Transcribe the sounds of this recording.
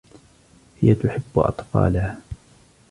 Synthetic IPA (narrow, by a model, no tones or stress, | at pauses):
hɪjat̪ʊħɪbːʔɑ̰t̪ˤfɑ̰ːlaha